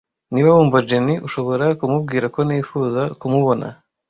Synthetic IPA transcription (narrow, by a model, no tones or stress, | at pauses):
niβaβuːmvad͡ʒeniʔuʃo̞βo̞ɾakumub̚ɡiːɾako̞nifuːzakumuβo̞na̰